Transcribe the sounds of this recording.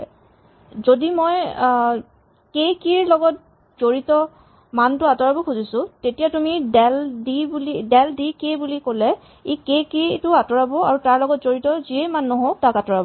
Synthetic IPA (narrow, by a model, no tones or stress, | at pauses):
zodimoj | kekiɹlɔɡɔt̚ | z̥oɹitɔ | mantʊatɔɹabɔkʰuzisʊ̃tetijatumidɛldibulidɛldikebulikolɛ | ekekitʊatɔɹabɔaɹutaɹlɔɡɔtz̥oɹitɔziejmanːɔɦoktakatɔɹabɔ